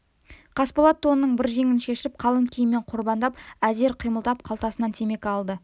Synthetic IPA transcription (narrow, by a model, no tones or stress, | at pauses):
qʰɑspolˠɑt̪ʰːo̞nnəɴbɪɾʒe̞ŋɪnʃe̞ʃɪɪp̚qʰɑlˠəŋkʲʰijɪmːeɴqʰʊɾbɑnd̪ɑp̚æze̞ɾqʰijməlˠd̪ɑp̚qʰɑlˠt̪ɑsənɑnt̪ʰeme̞kʲɑlˠd̪ə